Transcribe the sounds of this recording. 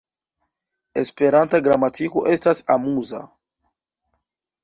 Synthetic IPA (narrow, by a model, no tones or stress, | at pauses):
espeɾant̪aɡɾamat̪ikuʔest̪asamuza̰